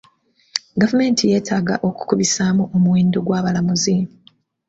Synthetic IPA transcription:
ɡavume̞ːntʰije̞ːtʰaːɡaʔo̞ku̥kuβisaːmuomuweːndo̞ɡwaːβalamuziːm

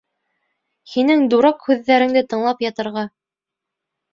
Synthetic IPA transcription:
hinɘŋd̪uɾɑqhʉðːæɾɘ̆ŋd̪ɘt̪ɤ̆ɴlˠɑpjɑt̪ɤ̆ɾʁɑ

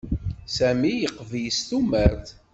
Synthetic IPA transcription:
sæmijəqːvjəst̪uməɾθ

